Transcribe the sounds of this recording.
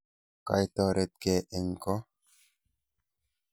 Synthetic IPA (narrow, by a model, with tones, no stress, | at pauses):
ka̰˨jt̪ɔ˨ɾe˨t̪̚ke˨ʔe˨ŋ˨kɔ˦